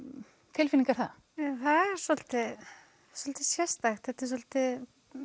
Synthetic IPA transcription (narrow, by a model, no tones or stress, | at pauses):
t̪ʰɪlfiniŋkaɾθa̰ | ɛθaðɛɾ̥sɔl̥t̪ɪ̥ | sɔlt̪ɪsjɛst̪axt̪θɛt̪ːɪs̬ɔlt̪ɪ